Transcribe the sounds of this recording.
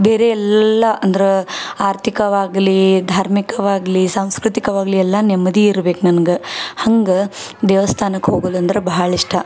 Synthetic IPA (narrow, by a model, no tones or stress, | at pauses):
beːɾeɛlːɐʔɐnd̪ɐɾeaːɾt̪ʰikɐʋaːɡlid̪ʱaːɾmikɐʋaːɡlisaːm̃skɾut̪ikɐʋaːɡliɛlːɐnɛmːɐd̪iiɾbeːknɐnɐɡehɐŋɡɐ | d̪ɛːʋɐst̪ʰaːnɐkɦoːɡoːluɐnd̪ɐɾebɐɦɐɭiʂʈɐ